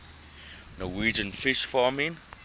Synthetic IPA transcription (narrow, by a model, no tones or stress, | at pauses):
nɔwiːd͡ʒə̃nfɪʃfaːmĩn